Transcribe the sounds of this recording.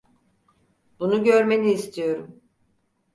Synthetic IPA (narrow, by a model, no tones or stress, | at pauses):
b̥unuɟøɾme̞niːst̪ʰijo̞ɾum